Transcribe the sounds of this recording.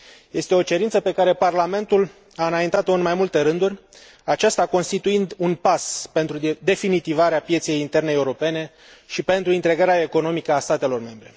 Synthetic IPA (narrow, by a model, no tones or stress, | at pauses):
je̞st̪e̞o̞t͡ʃe̞ɾint̪səpe̞kaɾe̞parlame̞nt̪ul | aɨnajint̪at̪o̞ɨnmajmult̪e̞ɾɨnd̪urʲ | at͡ʃast̪ako̞nst̪it̪uind̪unpaspe̞nt̪ɾud̪e̞finit̪ivaɾeapje̞t̪se̞jint̪e̞rneeuɾo̞pe̞ne̞ | ʃipe̞nt̪ɾuint̪ɾe̞ɡaɾeae̞ko̞no̞mikəast̪at̪e̞lo̞rme̞mbɾe̞̰